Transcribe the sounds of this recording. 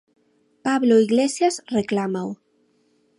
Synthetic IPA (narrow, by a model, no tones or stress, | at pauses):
paβloiɣlesjazreklamaw